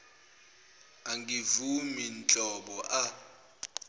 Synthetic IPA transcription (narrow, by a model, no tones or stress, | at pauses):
aŋɡʱivumint͡ɬʼɔɓɔʔa